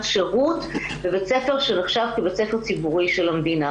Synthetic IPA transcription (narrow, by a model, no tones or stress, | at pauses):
tʃeʁut | vebet͡se̞fe̞ʁʃeneχʃavkibet͡sefe̞ʁt͡sibuʁiʃelamd̪ina